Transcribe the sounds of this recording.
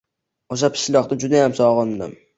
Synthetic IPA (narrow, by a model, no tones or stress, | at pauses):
oʃ̬apʰɪ̥ʃlɒχt̪ɪnd͡ʒʊd̪ajamsɒʁɒnd̪ɪ̰m